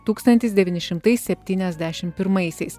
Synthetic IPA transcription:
t̪uːkst̪ɐnʲt̪ʲɪsd̪ʲɛʋʲiːnʲɪʃʲɪmt̪ɐɪssʲɛpʲt̪ʲiːnʲɛzʲd̪ʲæːʃʲɪmpʲɪɾmɐɪsʲɛɪs

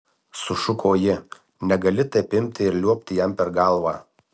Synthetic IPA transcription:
sʊʃʊkʰoːjɪ | nʲɛɡɐlʲɪt̪ɐɪpʲɪmʲt̪ʲɪɪɾlʲuɔpʲt̪ʲɪjɛmpʲɛɾɡɑlˠʋɑː

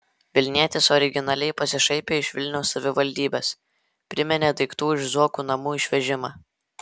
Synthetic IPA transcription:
ʋʲɪlʲnʲiɛt̪ʲɪsɔɾʲɪɡʲɪnɑlʲɛɪpɐsʲɪʃɐɪpʲeːɪʃʲʋʲɪlʲnʲɛʊsːɐʋʲɪʋɐlʲd̪ʲiːbʲeːs | pʲɾʲɪmʲɛnʲeːd̪ɐɪkt̪uːɪʒzuɔkuːnɐmuːɪʃʲʋʲɛʒʲɪmɑː

